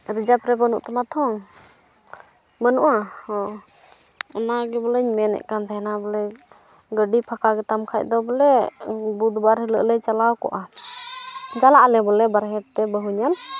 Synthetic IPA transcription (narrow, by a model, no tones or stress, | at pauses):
ɾid͡ʒapɾɛbənuʔt̪ɛmat̪ʰɔŋ | bənuʔahɔ | ɔnaɡɛbɔləɲmɛnɛ̰ʔkant̪ɛɛnabɔlɛ | ɡəɖipʰakaɡɛt̪amkʰac̚ˀd̪ɔbɔlɛbud̪baɾɦiləʔlət͡ʃalawkɔ̰ʔa | d͡ʒalaʔlɛbɔlɛbaɾɦɛɾ̚t̪ɛbəɦuɲal